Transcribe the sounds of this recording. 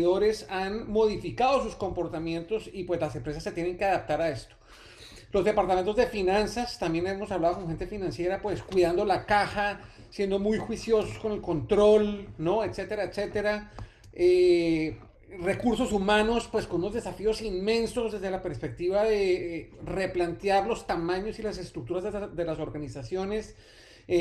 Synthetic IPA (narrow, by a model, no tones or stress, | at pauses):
ðo̞ɾe̞sanmo̞ð̞ifikaðo̞susko̞mpo̞ɾt̪amje̞nt̪o̞sipwe̞zlase̞mpɾe̞s̬asːe̞t̪je̞ne̞ŋke̞aðap̚t̪aɾae̞st̪o̥ | lo̞zd̪e̞paɾt̪ament̪ozd̪efinãnsast̪ambje̞nemo̞saβlaðo̞koŋxe̞nt̪e̞finãnsje̞ɾapwe̞skwiðand̪o̞lakaxa | sje̞nd̪o̞mujxwisjo̞sosko̞ne̞lko̞nt̪ɾo̞lnoet̪se̞t̪e̞ɾaet̪se̞t̪e̞ɾa | e | re̞kuɾso̞sumano̞spwe̞sko̞nuno̞zd̪e̞safio̞sinmẽ̞nso̞zd̪e̞zðe̞lape̞ɾspe̞k̚t̪iβaðe̞re̞plant̪jaɾlo̞st̪amãɲo̞silas̬e̞st̪ɾuk̚t̪uɾazd̪e̞laso̞ɾɣanisasjo̞ne̞s